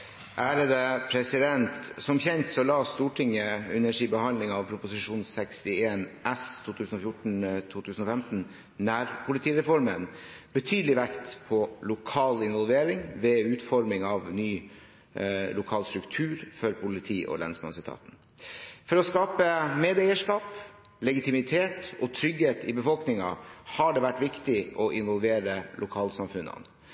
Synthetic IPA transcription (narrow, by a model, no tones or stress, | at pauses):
ʔæːɾəd̪əpʰɾɛsɪd̪ɛnt̪sɔmçɛnt̪sɔlɑːst̪uːʈʰɪŋːəɛnæʂiːbəhɑnlɪŋɑʋpʰɾʊpʊsɪʂuːnsɛkst̪ɪeːnʔæst̪ʰuːt̪ʰʉːsn̩ɔfjʊʈɳ̩t̪ʰuːt̪ʰʉːsn̩ɔfɛmt̪n̩ | næɾpʰʊlɪt̪ʰiːɾɛfɔɾmən | b̥ət̪ʰyːd̪əlɪʋækt̪pʰɔlʊkʰɑːlɪnʋɔlʋeːɾɪŋʋɛʉːt̪fɔɾmɪŋɑʋnyː | lʊkʰɑːlst̪ɾʉkt̪ʰʉːɾfɔɾpʰʊlɪt̪ʰiːʔɔ̰lɛ̰nsbmɑ̰nsət̪ʰɑ̰ːt̪n̩ | fɔɾɔskɑːpəmeːd̪æɪəʂkɑːp | lɛɡɪt̪ɪmɪt̪ʰeːt̪ɔt̪ʰɾʏɡheːt̪ɪ̰bəfɔlknɪŋɑhɑɖɛʋæʈːʋɪkt̪ɪʔɔʔɪnʋɔlʋeːɾəlʊkʰɑːlsɑmfʉnːɑ̰n